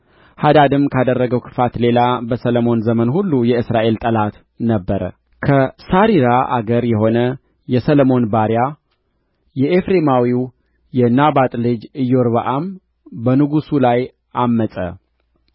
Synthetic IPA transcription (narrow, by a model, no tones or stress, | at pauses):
had̪ad̪ɨmkʰad̪ərːəɡəwkʰɨ̥fat̪le̞labəsələmo̞nzəmənhulːujɛɨsɾaʔe̞lt̪ʼəlat̪ | nəbːəɾə̰ | kʰəsaɾiɾaʔa̰ɡəɾjɛɦo̞nə | jɛsələmo̞nbaɾja | jɛʔefɾemawiw | jɛnabat̪ʼlɨd͡ʒɨjːoɾβəʔam | bənɨɡusulaj | amːəsʼə̰